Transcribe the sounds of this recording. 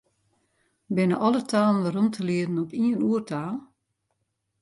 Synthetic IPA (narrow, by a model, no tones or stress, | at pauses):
bɪnəʔɔlˠətʰaːlˠənʋəɾɔmtʰəliədn̩ɔpiənuərtʰaːlˠ